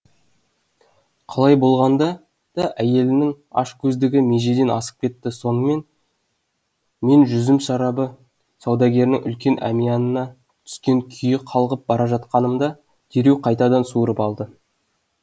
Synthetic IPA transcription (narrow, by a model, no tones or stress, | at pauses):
qʰɑlˠɑjbo̞lˠʁɑnd̪ɑ | d̪̥ɑʔæje̞lɪnɪŋ | ɑ̰ʃkʲʰɵzd̪ɪɡʲɪme̞ʒe̞d̪e̞nɑsə̥q̚kʲe̞t̪ːɪso̞nəme̞n | me̞nʒʏzɪmʃɑɾɑbə | sɑwd̪ɑɡʲe̞ɾnɪŋʏ̰lkʲe̞nʔæ̰mijɑnənɑ | t̪ʰʏ̥skʲe̞ŋkʲʰʏjɪqʰɑlˠʁəp̚bɑɾɑʒɑt̪̚qɑnəmd̪ɑ | d̪̥ʰeɾe̞wqʰɑjt̪ɑd̪ɑnsuəɾəpɑlˠd̪ə